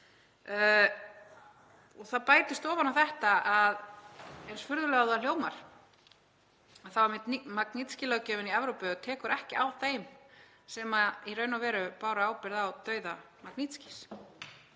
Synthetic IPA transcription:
ɔɣθaðpaːjt̪ɪst̪ɔːvanawθɛht̪aaðejnsfʏɾðʏlɛɣawðal̥joːwmaɾ̥ | aðθawmɪt̪maknit̪scɪlœɣcɛːvɪniɛvɾowpʏt̪ʰɛːkʏɾʔɛhcɪʔawθejm | sɛːmaiɾœːɥnawvɛːɾʏpaːwɾaaːwpɪɾðawt̪œːɥða | maknit̪sci̥s

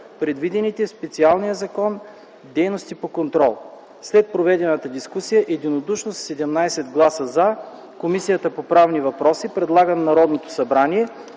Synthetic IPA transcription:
pɾɛd̪vid̪ɛnit̪ɛspɛt̪sialˠnijəzɐkɔn | d̪ɛjnost̪ipokont̪ɾɔlˠ | slɛt̪̚pɾovɛd̪ɛnət̪əd̪iskusijəʔɛd̪inod̪uʃnost̪sɛd̪ɛmnajsɛd̪ɡlˠasəza | komisijət̪əpopɾavnivɐpɾɔsipɾɛd̪lˠaɡənnɐɾɔd̪not̪o̥sɐbɾaniɛ

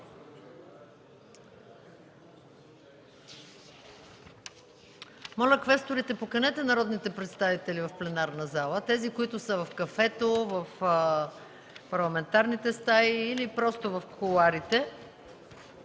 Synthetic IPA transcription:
mɔlʲəkvɛst̪oɾit̪ɛpokɐnɛt̪ɛnɐɾɔd̪nit̪ɛpɾɛt̪st̪avit̪ɛlivɐfplɛnaɾnɐzalˠət̪ɛzikoit̪ʊsəvɐfkɐfɛt̪ovəf | pɐɾlˠɐmɛnt̪aɾnit̪ɛst̪aiːlipɾɔst̪ovɐfxolˠaɾit̪ɛ

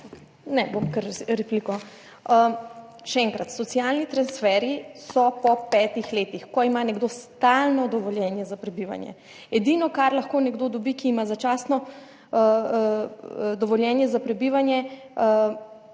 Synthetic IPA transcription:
nɛbomkəɾɾɛplikɔ | ʃɛɛːŋkɾat̪sɔt̪sijalnit̪ɾansfɛɾisɔpɔpɛːt̪ixleːt̪ixkɔimanɛɡd̪ost̪alnɔd̪ɔʋɔljɛnjɛzapɾɛbiʋa̰njɛ̰ | ɛd̪inɔkaɾlaxkonɛɡd̪oːd̪ɔbikiːmazat͡ʃaːsnɔ | d̪ɔʋɔljɛnjɛzapɾɛbiʋanjɛ

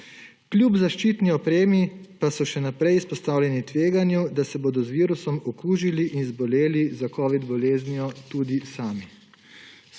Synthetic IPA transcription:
klʲjubzaʃt͡ʃiːt̪niɔpɾeːmipasɔʃɛnapɾɛjispɔst̪aːwlʲjɛnit̪ʋeːɡanjud̪asɛboːd̪ɔzʋiːɾusɔmɔkuːʒiliʔinzbɔleːlizakɔːʋid̪bɔleːzniɔt̪uːd̪isaːmi

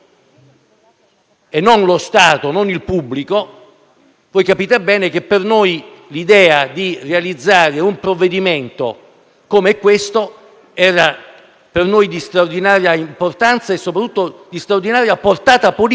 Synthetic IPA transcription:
enːonlost̪aːt̪ononilpubːliko | voːjkapiːt̪ebɛːnek̟epːernojlid̪ɛːad̪irealid̪zːaːɾeumpɾovːed̪iment̪o̰ | komeɛkːwest̪o | ɛːɾa | pernojd̪ist̪ɾaord̪inaːɾjaimport̪ant̪saesːopɾat̪ːut̪ːod̪ist̪ɾaord̪inaːɾjaport̪aːt̪apol

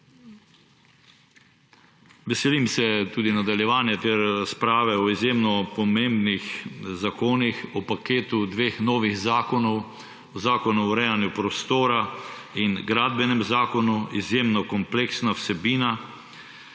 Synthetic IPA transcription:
ʋɛsɛlimsɛt̪uːd̪inad̪aljɛʋaːnjɛt̪eɾɾaspɾaːʋɛɔizjeːmnɔpɔmembnixzakoːnixɔpakeːt̪ud̪ʋeːxnɔːʋiɣzaːkɔnɔw | ɔzaːkɔnuɔɾɛːjanjupɾɔst̪oːɾainɡɾaːd̪bɛnɛmzaːkɔnuizjemnɔkɔmpleːksnawsɛbiːna

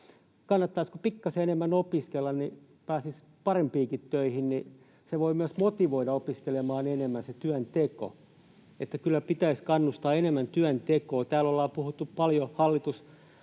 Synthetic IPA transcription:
kɑnːɑt̪ːɑiskupikːɑseenemːænopiskelːɑnni | pæːsis | pɑrempiːkit̪tøihinni | seʋoimyæsmot̪iʋoiɾɑopiskelemɑːnenemːænset̪yænt̪eko̰ | et̪ːækylːæpit̪æiskɑnːust̪ɑːenemːænt̪yænt̪ekoːt̪æːlolːɑːpuhut̪ːuppɑljohɑlːit̪us

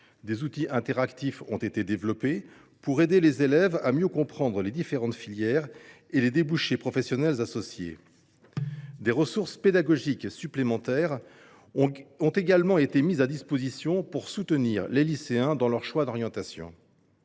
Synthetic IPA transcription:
d̪ezut̪iʔɛ̃t̪ɛʁakt̪ifɔ̰̃t̪et̪ed̪evlɔpe | puʁed̪elezelɛva̰mjøkɔ̃pχɑ̃d̪ʁəled̪ifeʁɑ̃t̪filjɛʁ | eled̪ebuʃepχɔfɛsjɔnɛlzasɔsjḛ | d̪eʁəsuʁsped̪aɡɔʒiksyplemɑ̃t̪ɛːʁ | ɔ̃t̪eɡalmɑ̃et̪emizad̪ispozisjɔ̃puʁsut̪əniːʁleliseɛ̃d̪ɑ̃lœʁʃwad̪ɔʁjɑ̃t̪asjɔ̰̃

